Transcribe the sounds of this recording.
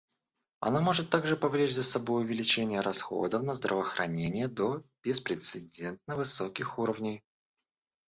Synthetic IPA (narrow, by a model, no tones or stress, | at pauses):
ɐ̰namo̞ʐɨt̪ːaɡʐɨpɐvlʲet͡ɕʲzəsɐbo̞jʊvʲɪlʲɪt͡ɕenʲɪjəɾɐsxo̞̰d̪əfnəzd̪ɾəvəxɾʔɐ̰nʲenʲɪjəd̪o̞b̥ʲɪspɾʲɪt̪sɨdʲe̞nt̪̚nəvɨso̞kʲɪxuɾəvnʲɪj